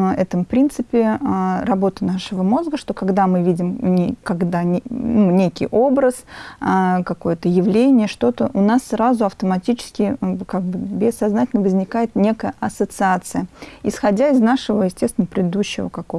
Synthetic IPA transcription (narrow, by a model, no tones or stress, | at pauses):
ɛt̪əmpɾʲint̪sɨpʲɪɾɐbo̞t̪ənaʂɨvəmo̞zɡəʂt̪o̞kɐɡd̪amɨvʲidʲɪmnʲekɐɡd̪anunʲekʲɪ̰jʔo̞bɾəs | kɐko̞jət̪əjɪvlʲenʲɪjəʂt̪o̞t̪əʔʊnasːɾazʊɐft̪əmɐtʲit͡ɕɪ̥skʲɪkaɡ̚bɨbʲɪsːɐznatʲɪlʲnəvəzʲnʲɪkajɪt̪nʲe̞kəjəʔɐsət̪sɨat̪sɨjəɪsxɐdʲaɪznaʂɨvəjɪsʲtʲest̪vʲɪnəpɾʲɪd̪ɪd̪uɕːɪvə̰kɐko